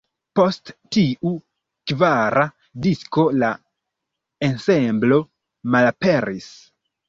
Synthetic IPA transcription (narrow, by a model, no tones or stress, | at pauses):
po̞sttiʔu | kvaɾʔa | disko̞la | ensemblo̞ | malape̞ɾis